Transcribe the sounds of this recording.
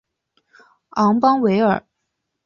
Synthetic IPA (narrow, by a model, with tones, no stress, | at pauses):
ɑ˧˥ŋpɑ˥ŋwe˧˥ɪə̰˞˨˩˦